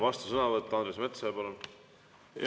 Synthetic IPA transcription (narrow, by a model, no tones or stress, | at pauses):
vɑst̪usɤnɑvɤt̪ːˑɑɑnd̪ɾe̞smet̪sepɑlun